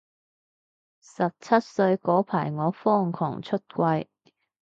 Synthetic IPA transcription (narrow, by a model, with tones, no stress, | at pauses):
sɐ˨p̚t͡sʰɐ˥t̚sɵ˧ɥkɔː˨˥pʰaː˨˩jŋɔː˨˥fɔː˥˩ŋkʰɔ̰ː˨˩ŋt͡ʃʰɵ˥t̚kʷɐ˧j